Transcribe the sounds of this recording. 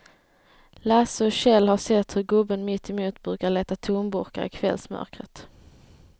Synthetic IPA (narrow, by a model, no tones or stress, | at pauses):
lasɔɕɛlhasɛt̪ːhɵɾɡɵbːənmɪt̪ʰːɛmuːt̪bɾʉ̟ːkaɭeːt̪at̪ʰuːnbʊɾka̰ɾɪ̰kʰvɛ̰lsmœ̰ɾkɾət̪